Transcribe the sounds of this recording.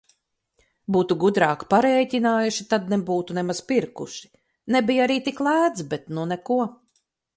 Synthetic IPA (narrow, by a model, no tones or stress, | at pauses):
buːt̪uɡud̪ɾaːkpaɾɛːt̪ʲinaːjuʃit̪ad̪nebuːt̪unɛmaz̥piɾkṵʃi̥ | nɛbijaɾiːt̪iklˠæːd̪zbɛt̪nunɛkuɔ